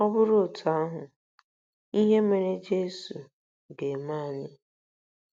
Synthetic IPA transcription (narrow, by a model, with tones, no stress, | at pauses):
ɔ˦bʊ˦ɾʊ˦˨tʰa˦ɦʊ˨ | i˦ɦe˦me˨ɾe˦d͡ʒe˦su˨ | ɡe˨ma˦˨ɲɪ˦